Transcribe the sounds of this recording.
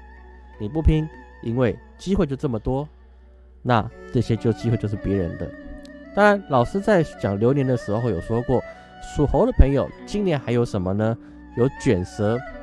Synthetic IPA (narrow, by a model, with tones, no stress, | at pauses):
ni˨˩p̬u˥˩pʰi˥ŋ | i˥nwe˥˩ɪ | t͡ɕi˥xwe˥˧ɪt͡ɕjʊʈ͡ʂɤ˥˩mə˩t̪wɔ˥ | na˥˧ʈ͡ʂɤ˥˩ɕjɛ˥t͡ɕjo˥˧ʊt͡ɕi˥xwe˥˧t͡ɕjʂ̩˥˩pjɛ˧˥ɻə̰˧˥nd̪ə̰˧t̪ɑ˥ŋɻa˧˦nlɑ˨˩ʊʂɻ̩˥t͡sa˥˩ɪt͡ɕjɑ˨˩ŋljo˧˥ʊnjɛ˧˥nd̪ə˧ʂɻ̩˧˥xo˧xwjo˨˩ʊʂwɔ˥kwɔ˥˩ | su˨˩xo˧˥ʊd̪ə˨pʰɤ˧˥ŋjo˨˩ʊt͡ɕi˥˧ŋnjɛ˥˩˨nxa˧˥ɪjo˧˥ʊʂə˧˥nmə˧nə˧ | jo˧˥ʊt͡ɕɥɛ˨˩nsɤ˧˥